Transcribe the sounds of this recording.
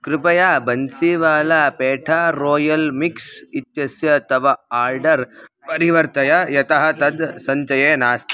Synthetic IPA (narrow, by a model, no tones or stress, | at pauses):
kɾɪpɐjaːbɐnsiʋaːlaːpeːʈʰaːɾoːjɐlmiksit̪jɐsjɐt̪ɐʋɐaːɾɖɐɾ | pɐɾiʋɐɾt̪ɐjɐjɐt̪ɐɦɐt̪ɐd̪sɐɲt͡ʃɐjeːnaːst̪ʰi